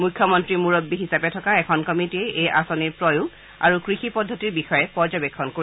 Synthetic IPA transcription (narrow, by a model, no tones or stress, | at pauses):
mujkʰjɔmɔntɹimuɹɔbːiɦisapɛtʰɔkaɛkʰɔnkɔmitiɛʔejʔa̰sɔniɹpɹɔjuɡ | a̰ɹukɹixipɔdʱːɔtiɹbixɔjɛpɔɹzɔbɛkʰːɔnkoi